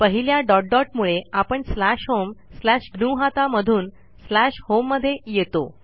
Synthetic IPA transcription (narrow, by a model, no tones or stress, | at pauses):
pəɦiljaɖɔʈ̚ɖɔʈ̚muɭeapəɳslæɕɦomslæɕɡnuɦat̪aməd̪ʱuːn | slæɕhomːəd̪ʱːjejet̪o̰